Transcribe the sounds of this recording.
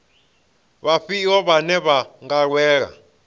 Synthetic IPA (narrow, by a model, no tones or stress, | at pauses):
βaɸiɔβanɛβaŋɡaɺwɛːɺa̰